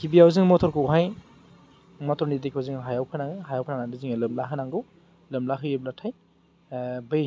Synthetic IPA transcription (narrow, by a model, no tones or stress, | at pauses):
kʰibijawziŋmɔtʰɔɾkʰɯwɦaj | mɔtʰɔɾnidikʰawzɯŋɦajawpʰɯnaŋɯɦajawpʰananadɯziŋɯlɯmlaɦɯnaŋɡɯw | lɯmlaɦɯeblatʰaj | bɯj